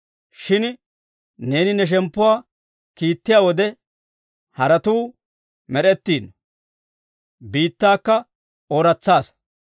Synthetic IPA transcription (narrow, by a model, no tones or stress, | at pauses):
ʃɪn | ne̞ːnɪnɛʃ̬ɛmpːʊwaː | kiːt̪ːɪjaːwɔd̪ɛ | hɐɾɐt̪uː | mɛɾɛt̪ːiːn | biːt̪ːaːkːɐ | oːɾɐt͡sːaːs